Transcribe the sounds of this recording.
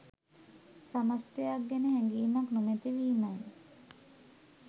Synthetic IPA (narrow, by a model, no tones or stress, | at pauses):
samast̪ejak̚ɡɛnəhɛŋɡiːmaknumet̪iʋiːmaj